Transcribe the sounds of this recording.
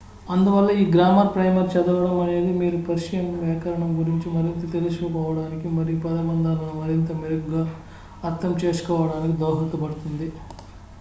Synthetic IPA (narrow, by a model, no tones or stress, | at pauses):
ɐnd̪uʋɐlːɐiːɡɾaːmɐɾpɾɐjmɐɾt͡ʃɛd̪ɐʋɐɽɐmɐne̞ːd̪imiːɾupɐɾiʃijɐmʋɛːkɐɾɐɳɐmɡuɾiɲt͡ʃimɐɾint̪ɐt̪elusukɔːʋɐɽaːnikimɐɾijupɐd̪ɐmɐnd̪aːlɐnumɐɾint̪ɐmiɾuɡɡaː | ɐɾt̪ːɐmt͡ʃe̞ːsu̥kɔːʋɐɽaːnikid̪ɔːɦɐt̪ːupɐɽut̪und̪i